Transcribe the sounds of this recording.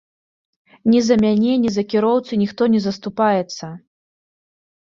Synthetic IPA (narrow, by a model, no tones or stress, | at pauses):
nʲɛzɐmʲanʲɛnʲizɐkʲiɾɔwt̪sɨnʲixt̪ɔnʲɛzɐst̪upajɛt̪sːɐ